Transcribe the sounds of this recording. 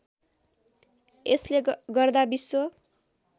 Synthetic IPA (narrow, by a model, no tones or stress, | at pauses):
esleɡʌrd̪abisːo